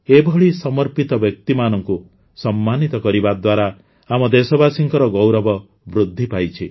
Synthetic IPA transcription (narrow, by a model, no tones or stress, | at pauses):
ebʱɔɭisɔmɔɾpit̪ɔbjɔk̚t̪imanɔŋku | sɔmːanit̪ɔkɔɾibad̪waɾa | amɔd̪esɔbasiŋkɔɾɔɡowɾɔbɔ | bɾud̪ʱːipajt͡ʃʰi